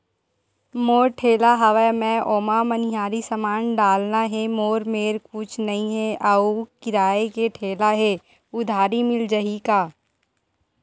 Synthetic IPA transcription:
moːɾʈʰeːlaɦɐʋɛmɛ̃ʔoːmaməniɦaːɾisəmaːnɖaːlnaɦɛmoːɾmeːɾkut͡ʃʰnɐɦĩɦɛʔaukɪɾaːekeʈʰeːlaɦɛ | ʊd̪ʱaːɾimɪld͡ʒəɦikaː

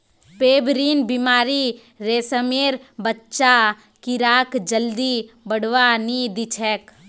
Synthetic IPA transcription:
peːbɾiːnbimaːɾi | ɾeːsəmeːɾbətːʃa | kiɾaːkd͡ʒəld̪i | bəɽʋanid̪it͡ʃʰɛk

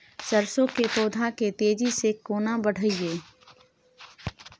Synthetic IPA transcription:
səɾsõkepoːd̪ʱaket̪eːd͡ʒisekoːnabəɽ̤ʱəieː

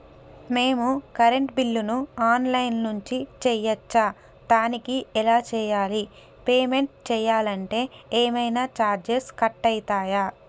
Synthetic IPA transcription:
me̞ːmukɐɾe̞ɳʈbilːunuaːnlɐjnnuɲt͡ʃit͡ʃɛːjɐt͡ʃːa | d̪aːnikiɛlaːt͡ʃɛːjaːli | peːme̞ɳʈ̚t͡ʃɛːjaːlɐɳʈe̞ːeːmɐjnaːt͡ʃaːɾd͡ʒeskɐʈːɐjt̪aːjaː

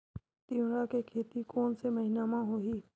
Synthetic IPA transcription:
t̪iɽakekʰeːt̪ikɔːnsemɐɦɪnaːmãɦoɦiː

